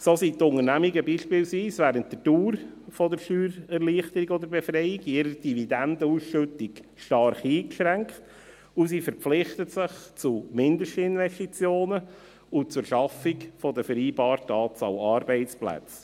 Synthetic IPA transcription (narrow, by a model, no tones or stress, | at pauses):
soːsitʊŋəɾnæmiɡəbiːʃpɪːlsʋiːsʋæːɾəntdəduːɾfɔd̪əɾʃyːɾɛɾliːəχtəɾiɡɔdəɾbɛfɾɛjɪɡɪɾəd̥ividændəuːsʃʏtɪkʃtɑɾχiːkʃɾæŋkχt | ʊsiːfəɾpflɪχt̪ətsɪχt͡sumɪndəʃtəɪnʋɛstit͡sjoːnə | ʊt͡sʊɾʃɑfɪkfɔd̪əfəɾiːbɑːɾtɑːt͡sɑ̰lɑɾbɛɪt͡splæ̰t͡s